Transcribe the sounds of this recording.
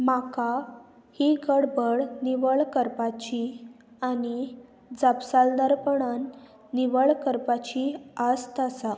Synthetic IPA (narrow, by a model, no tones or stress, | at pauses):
maka | hiɡəɽbəɽniʋəɭkəɾpat͡ɕi | aɽ̃i | d͡zapsald̪əɾpəɳanː | iʋəɭkəɾpat͡ɕiast̪əsa